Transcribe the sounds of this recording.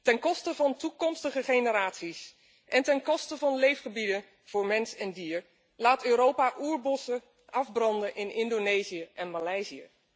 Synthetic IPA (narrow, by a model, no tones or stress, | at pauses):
tɛnkɔstəvɑntukɔmstəχəχenəɾaːtsis | ʔɛntɛnkɔstəvɑnlejfχəbidən | v̥ʊːɹmɛnsɛndiːɹ | laːtøːɾowpaʔuːɹbɔsə | ʔɑvbrɑndənʔɪnɪndonejzijəʔɛnmalɛjziə̰